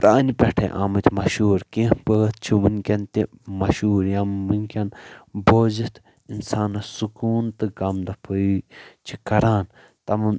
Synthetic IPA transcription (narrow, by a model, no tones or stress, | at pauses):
pɾaːnipʲɛʈʰɐ̰ʔaːmɨt̪ʰʲmɐʃuːɾkĩpəːt̪̚t͡ʃʰiʋunʲkʲɐnt̪imɐʃuːɾjamːɨnʲkʲɐnboːzit̪ʰ | insaːnɐsukuːnt̪ɨɡɐmd̪ɐpʰɨit͡ʃʰikɐɾaːn | t̪ɐmɨn